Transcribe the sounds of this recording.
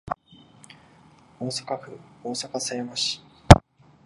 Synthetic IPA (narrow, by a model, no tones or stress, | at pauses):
o̞ːsḁkaɸɯ̟oːsakasaemaɕi̥